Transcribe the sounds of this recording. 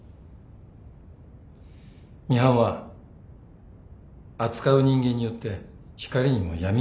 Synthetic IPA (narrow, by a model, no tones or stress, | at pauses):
mʲiɦãɰ̃βa | at͡sɨ̥kaɯ̟ɲ̟ĩŋɡẽ̞ɲ̟ːijo̞t̪ːe̞ | çi̥kaɾʲiɲ̟imo̞̰jamʲi